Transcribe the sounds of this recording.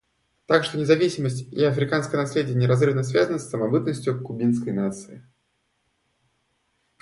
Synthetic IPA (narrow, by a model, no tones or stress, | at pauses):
t̪akʂt̪ɔnʲɪzavʲisʲiməsʲtʲiɐfɾɨkanskəjənasʲlʲedʲɪjənʲɪɾazrɨvnəs̬ʲvʲazənəsːɐmabɨt̪nəsʲtʲjukubʲinskəjnat̪sɨi